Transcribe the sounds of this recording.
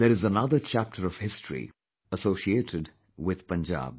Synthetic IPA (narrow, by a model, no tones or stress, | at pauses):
ðəɾɨzənʌðət͡ʃʰæp̚ʈʰəɾɔv̥hɪstʰɹḭ | əsoʊʃieːtʰɪd | wɪð̥pə̃nd͡ʒa̰ːb̚